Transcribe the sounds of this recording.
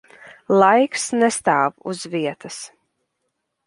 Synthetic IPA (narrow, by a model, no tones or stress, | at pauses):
lˠajksnɛst̪aːvṵzviɛt̪as